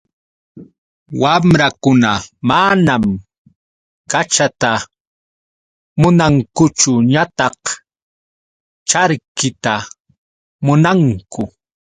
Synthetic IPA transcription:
wamɾakʊnamanam | kat͡ʃat̪a | mʊnaŋkʊt͡ʃʊɲat̪ɑq | t͡ʃaɾkɪt̪a | mʊnaŋkʊ

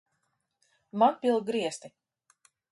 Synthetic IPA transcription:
manpʲilˠɡɾiɛst̪i

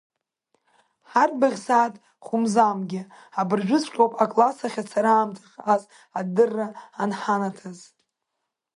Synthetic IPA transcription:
ħarbaʁʲsaːtʼ | χʊmzamɡʲɪ | abɨrʒᶣʷʊzʷqʲʼowpʼakʼlasaχʲat͡sʰaɾaːmtʰaχʲaz | adɨrːaːnħanatʰaz

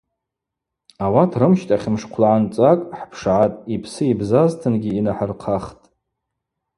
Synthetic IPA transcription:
awatʰrɨmʃtʼaχʲɪmʂqʷʰlaʕant͡sʼakʼħpʰʂʕatʼipʰsɨibzaztʰɨnɡʲiːnaħarqʰaχtʼ

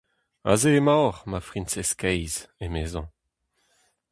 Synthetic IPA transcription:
a̰zeːmawʁmafʁĩnsɛskɛjzemeːzɑ̃

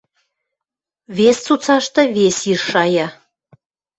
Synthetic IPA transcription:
βest͡sut͡sɑʃt̪ɤ̆βesiʃːɑjɑ

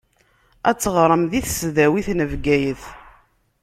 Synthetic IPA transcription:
æt͡sːəʁɾˤəmðiθsðæwiθnəvɡæjəθ

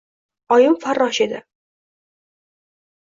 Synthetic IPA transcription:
ɒjɪmfaɾːɒʃe̞d̪ɪ

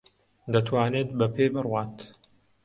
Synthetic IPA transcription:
d̪ɐt̪ʰwaːneːt̪̚bɐpʰeːbɨrwaːt̪

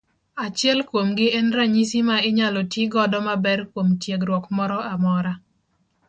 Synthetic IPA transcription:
at͡ʃɪɛlkwomɡɪʔɛnɾaɲisimaɪɲalɔtiɡɔdɔmabɛrkwomtjeɡɾwɔkmɔɾɔamɔɾa

